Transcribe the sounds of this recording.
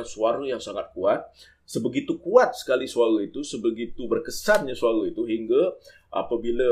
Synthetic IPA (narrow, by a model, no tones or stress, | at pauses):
suaɾujaŋsaŋat̪̚kuat̪̚ | səbəɡit̪ukuat̪̚sə̥kalisuaɾuit̪usəbəɡit̪ubərkəsanɲasuaɾuit̪uɦiŋɡa | ʔa̰pabila